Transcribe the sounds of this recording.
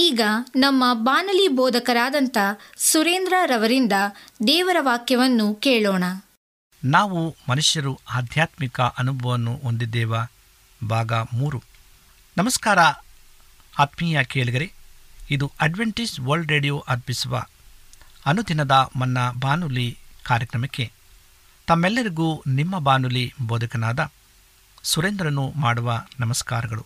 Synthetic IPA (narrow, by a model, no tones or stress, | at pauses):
iːɡɐnɐmːɐbaːnuliboːd̪ʱɐkɐɾaːd̪ɐnt̪ɐsuɾeːnd̪ɾaɾɐʋɐɾind̪ɐd̪ɛːʋɐɾɐʋaːkjɐʋɐnːukeːɭoːɳɐ | naːʋumɐnuʂjɐɾuaːd̪ʱjaːt̪mikɐʔɐnubʱɐʋɐnːuɦond̪id̪ːɛːʋɐ | bʱaːɡɐmuːɾu | nɐmɐskaːɾɐ | aːt̪miːjɐkeːɭiɡ̪ɐɾeid̪uʔɐɖʋeɳʈisʋɐɾlɖɾeːɖijoːʔɐɾpisuʋɐ̰ | ɐnud̪ʱinɐd̪ɐmɐnːɐbaːnulikaːɾjɐkɾɐmɐkːe̞ | t̪ɐmːɛlːɐɾiɡunimːɐbaːnuliboːd̪ukɐnaːd̪ɐ | suɾend̪ɾɐnːumaːɽuʋɐnɐmɐskaːɾɐɡɐɭṵ